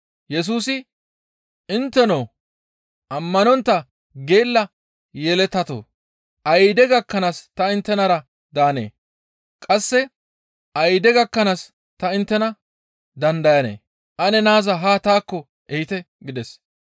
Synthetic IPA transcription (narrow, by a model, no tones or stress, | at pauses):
jɛs̬uːsɪ | ɪnt̪ːɛnow | ʔɐmːɐnɔnt̪ːɐ | ɡe̞ːlːɐ | jɛlɛt̪ːɐt̪o̰ː | ʔɐjd̪ɛɡɐkːɐnast̪ɐɪnt̪ːɛnɐɾɐ | d̪aːnḛː | kʼɐsːɛ | ʔɐjd̪ɛɡɐkːɐnas | t̪ɐɪnt̪ːɛnɐ | d̪ɐnd̪ɐjɐnḛː | ʔɐnɛnaːzɐɦaːt̪aːkːɔ | ʔɛhɪt̪ɛ | ɡɪd̪ɛs